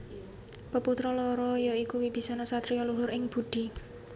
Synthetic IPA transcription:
pəput̪ɾɔlɔɾɔjɔikuwib̥i̤sɔnɔsat̪ɾiɔluɦʊɾɪŋb̥uɖ̪̥i̤

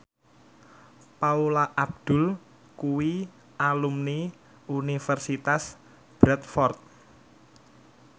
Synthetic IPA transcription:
paulaʔab̚d̪̥ʊ̤l | kuwi | alumni | unifərsit̪as | b̥ɾɛt̪̚fɔrt̪̚

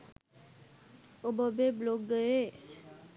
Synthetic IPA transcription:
obəbebloɡːəe

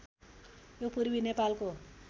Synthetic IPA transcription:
jopurbinepalko

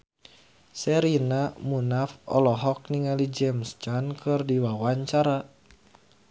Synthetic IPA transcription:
sɛɾinamunafɔ̰lɔɦɔk̚niŋalid͡ʒɛmst͡ʃankʰɨrdiwawaɲt͡ʃaɾa

